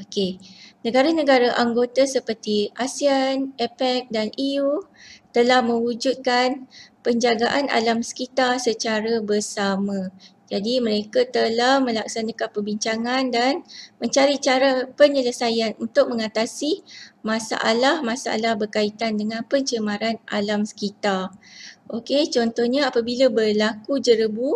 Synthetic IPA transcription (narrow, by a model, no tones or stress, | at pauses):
okenə̃ɡaɾanəɡaɾaʔaŋɡot̪asəpərt̪iasianepɛk̚daniut̪əlahmə̃wud͡ʒut̪̚kanpəɲd͡ʒaɡaʔanʔa̰lamsə̥kit̪arsət͡ʃaɾabərsamãd͡ʒadimə̃ɾekat̪əlahmə̃lak̚sanakanpərbiɲt͡ʃaŋandanmə̃ɲt͡ʃaɾit͡ʃaɾapəɲələsajanunt̪ʊk̚mə̃ŋat̪asimãsa̰ʔalahmãsaʔa̰lahbərkait̪andəŋãnpəɲt͡ʃəmaɾanʔa̰lamsə̥kit̪arʔoket͡ʃɔnt̪ɔhɲaapabilabərlakud͡ʒəɾəbu